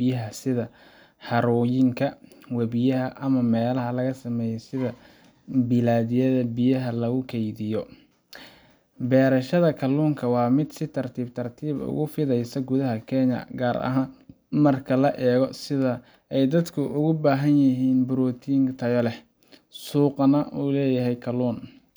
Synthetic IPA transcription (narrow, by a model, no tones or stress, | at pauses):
b̥ɪjɐɦɐsɪðɐ | hɐɾɔːjɪŋkʰɐwɐβɪjɐɦɐʔɐmɐmɛːlɐɦɐlɐɣɐsɐmɛːjɛsɪðɐ | bɪlaːðɪjɐðɐbɪjɐɦɐlɐɣʊkʰɛjðɪjɔ | bɛːɾɐʃɐðɐkʰɐluːŋkʰɐwɑːmɪd̪sɪt̪ʰɐrt̪ʰiːb̚t̪ʰɐrt̪ʰiːbʊ̰ɣʊfɪðɛjsɐɡʊðɐɦɐkʰɛɲɐ̰ɡaːɾɐ̰ɦaːn | mɐrkʰɐlɐʔɛːɣɔsɪðɐ | ɛjd̪ɐd̪kʰʊʔʊɣʊbaːɦɐnjɐɦiːnbʊɾɔːt̪ʰiːŋt̪ʰɐjɔlɛ | suːqnɐʔuːlɛːjɐɦɛjkʰɐluːn